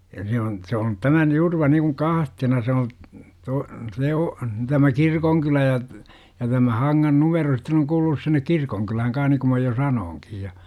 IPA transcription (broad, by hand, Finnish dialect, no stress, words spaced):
jɑ se on se on tæmæn jurʋɑ nikuŋ kɑhtenɑ se o to se o tæmæ kirkoŋkylæ jɑ jɑ tæmæ hɑŋːɑn numero sitːen oŋ kuːlunus sinːek kirkoŋkylæhæŋ kɑn̞h niku mæ jo sɑnoːŋkij jɑ